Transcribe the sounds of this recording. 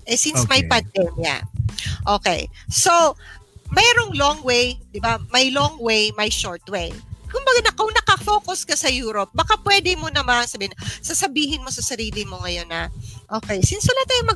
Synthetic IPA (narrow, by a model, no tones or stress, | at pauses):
ʔɛsinsmɐjpɐnd̪ɛmjɐ̰ʔoːkɛ̰jso | mɛːɾoŋloŋwejd̪ɪbamɐjloŋwejmɐjʃoɹt̪wejkʊmbɐɡanɐkoŋnɐkɐfoːkʊskɐsɐjuːɾop̚bɐkapwɛːd̪ɪmonɐmasɐbiːɪnɐsɐsɐbiːɦɪnmo̞sɐsɐɾiːlɪmo̞ŋɐjo̞nɐʔoːkɛjsɪnsʊlat̪ajomɐ